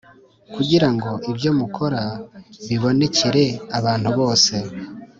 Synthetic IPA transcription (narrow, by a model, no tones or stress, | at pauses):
kuɟiɾaŋɡo̞ʔibjo̞mukʰo̞ɾaβiβo̞ne̞ce̞ɾe̞aβaːn̥huβo̞ːse̞